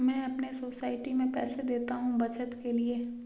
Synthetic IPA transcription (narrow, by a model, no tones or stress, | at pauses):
mɛ̃ːɐpnesoːsaːɪʈimẽpɛːsed̪eːt̪aɦũbɐt͡ʃət̪kelie